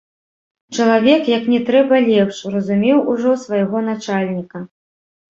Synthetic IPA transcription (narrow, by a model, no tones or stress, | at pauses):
t͡ʂɐlˠavʲɛkjɐknʲɛt̪ɾɛbɐlʲɛpʂrɐzumʲɛwʔuʐɔsvɐjaɣɔnat͡ʂalʲnʲikɐ